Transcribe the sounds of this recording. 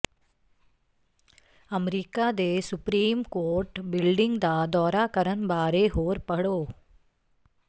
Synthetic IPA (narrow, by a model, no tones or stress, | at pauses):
ɐmɾikaːd̪eːsupɾiːmkoːɾʈbilɖiŋɡd̪aːd̪ɔːɾaːkɐɾɐnbaːɾeːɦoːɾpɐɽoː